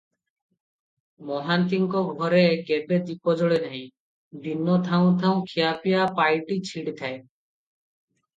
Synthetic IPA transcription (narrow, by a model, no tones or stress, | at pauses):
mɔɦant̪iŋkɔɡʱɔɾekebed̪ipɔd͡ʒɔɭenaɦĩ | d̪inɔt̪ʰaũt̪ʰaũkʰijapjapajʈit͡ʃʰiɽt̪ʰae